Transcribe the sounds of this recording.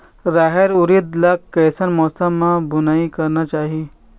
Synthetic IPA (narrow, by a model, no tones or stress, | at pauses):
ɾaːɦeɾʊɾit̪lɐkkːɛːsənmɔːsəmːãbʊnaːikɐɾnat͡ʃaːɦie